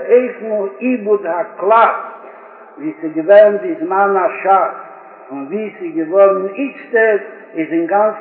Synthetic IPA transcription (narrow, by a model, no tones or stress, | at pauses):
eɪfmulˠibʊdhaklˠa | viːsɪɡəvɛnbɪzmanaʃat | fʊnviːsɪɡəvɔɾn̩ɪt͡stəɾ | ɪzɪŋɡant͡s